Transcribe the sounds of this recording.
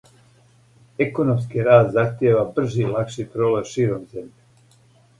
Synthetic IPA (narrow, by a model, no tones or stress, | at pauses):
ekonomskiɾaːst̪zaxt̪jeːʋabr̩ʒilakʃipɾoːleʋʃiːɾomze̞mʎe